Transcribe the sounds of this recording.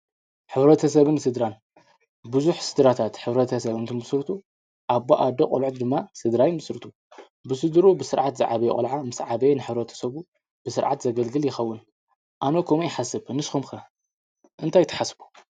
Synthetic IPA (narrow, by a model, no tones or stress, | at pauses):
ħɨβɾɐt̪ʰɐsɐβɨnːsɨd̪ɾan | bɨzuħsɨd̪ɾat̪ʰat̪ħɨβɾɐt̪ʰɐsɐβɨnt̪ʰɨmɨsɾɨt̪ʰu | ʔabːaʔad̪oqʼo̰lʕt̪d̪ɨmːasɨd̪ɾajmɨsɾɨt̪ʰu | bɨsɨd̪ɾubɨsɨɾʕat̪zɨʕaβɐjɛkʼɐ̰lʕamɨsʕaβɐenɨħɨβɾɐt̪ʰɐ̥sɐβu | bɨsɨɾʕat̪zɐɡɐlɡɨljɪxɐwːʊn | ʔanokʰomujɪħasɨbnɨsxumkɐ | ʔɨnt̪ʰajt̪ʰɐ̥ħasbu̥